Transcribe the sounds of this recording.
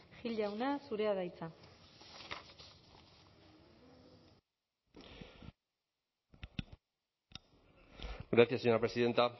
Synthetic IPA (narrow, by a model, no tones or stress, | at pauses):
xiʎawnasuɾeaðajt͡sa | ɡɾaθijaseɲoɾapɾesiðe̞nt̪a